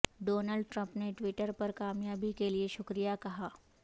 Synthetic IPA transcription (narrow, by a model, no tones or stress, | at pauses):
ɖonəɭɖʈɾə̃mpneʈʋiʈəɾpəɾkamjabikelieɕukɾijakɐɦa